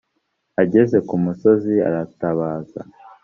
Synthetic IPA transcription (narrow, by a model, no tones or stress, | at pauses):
aɟe̞ze̞kumuso̞zia̰ɾataβaːza̰